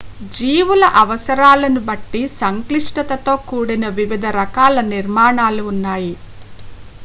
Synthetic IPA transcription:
d͡ʒiːʋulɐʔɐʋɐsɐɾaːlɐnubɐʈːisɐŋkliʂʈɐt̪ɐt̪o̞ːkuːɽinɐʋiʋid̪ʱɐɾɐkaːlɐniɾmaːɳaːluːnːaːji

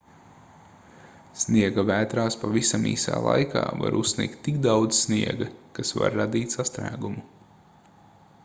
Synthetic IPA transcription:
snʲiɛɡavæːt̪ɾaːspavisamḭːsa̰ːlˠa̰jkʰa̰ːva̰ɾussnʲḭːkt̪ːik̚d̪awd̪zsniɛɡɐkasva̰ɾːad̪iːt̪sast̪ɾæ̰ːɡumu

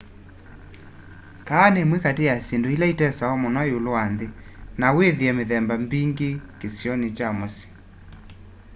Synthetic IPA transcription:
kaːnemwekatejasendoilaitɛsaɔmɔnɔjolowanðe | naweðiɛmeðɛmbambiŋɡekesjɔnet͡ʃamosi̥

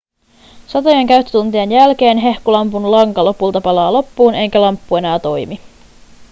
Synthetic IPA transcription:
sɑt̪o̞jeŋkæɥt̪ːy̥t̪unt̪iɑnjælk̟e̞ːnɦe̞hkulɑmpunlɑŋkɑlo̞pult̪ɑpɑlɑːlo̞pːuːne̞jkælɑmpːue̞næːt̪o̞jmi

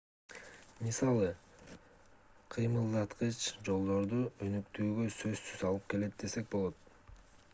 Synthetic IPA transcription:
misɑlˠɯ | qʰɯjmɯlˠd̪ɑt̪qət͡ʃd͡ʒo̞lˠd̪o̞ɾd̪uønykt̪yːɡø̞sø̞zsyzɑlˠɯp̚ke̞le̞t̪̚d̪e̞se̞k̚bo̞lˠot̪̚

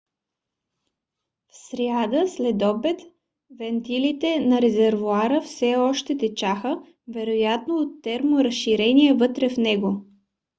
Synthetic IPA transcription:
fsɾjad̪əslɛd̪ɔbɛt̪ | vɛnt̪ilit̪ɛnɐɾɛzɛɾvoaɾəfsɛɔʃt̪ɛt̪ɛt͡ʃaxə | vɛɾojat̪noːt̪ːɛɾmoɾəsʃiɾɛniɛvɤt̪ɾɛfnɛɡo

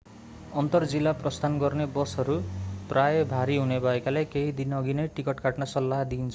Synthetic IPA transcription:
ʌnt̪ʌrd͡zilːaprʌst̪ʰanɡʌrnebʌsʌɾuprajebʱaɾiɦunebʱʌekalajkeɦid̪inʌɡinʌjʈikʌʈkaʈnasʌlːaɦd̪int͡sʰʌ

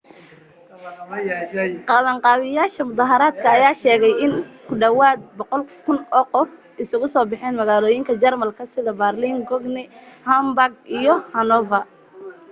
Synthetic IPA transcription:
qɑβɐŋqɑːβɪjaːʃɐmʊðɑɦɐɾaːd̪kʰɐːjaːʃɛːɣɛjɪnkʰʊɖɐwaːd̪̚bɔqɔlkʰʊnɔːqɔf | ʔɪsʊɣʊsɔːbɪħɛːnmɐɣaːlɔːjɪŋkʰɐd͡ʒɐrmɐlkʰɐsɪðɐbɐrliŋɡɔɡnɪhɐmbaɡ̚ijɔhɐnɔvɐ

